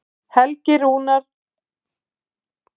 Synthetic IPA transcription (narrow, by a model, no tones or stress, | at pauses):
hɛlcɪɾuːnaɾ̥